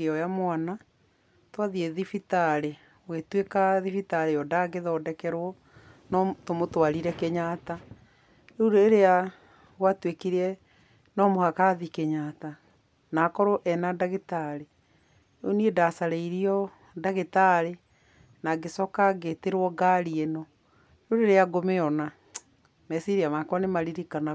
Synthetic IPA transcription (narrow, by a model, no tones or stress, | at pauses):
eɔjamwana | twaðieðifitaɾe | wetwekaðifitaɾejɔdaɡeðɔdɛkɛɾwɔ | nɔtomotwaɾiɾɛkeɲata | eudoeɾea | ɣwatwekiɾɛ | nɔmohakaðikeɲata | naːkɔɾoʔɛnadaɣetaɾe | oniedasaɾeiɾiɔ | daɣetaɾe | naɡesɔkaɡeteɾwɔɡaɾienɔ | udoeɾeaɡomeɔna | mɛsiɾiamakwanemaɾiɾikana